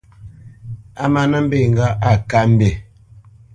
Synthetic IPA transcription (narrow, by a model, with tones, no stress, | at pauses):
a˦ma˦na˦m̩˦be˦˨ŋ˦ɡa˦a˦˨ka˦m̩˦be˨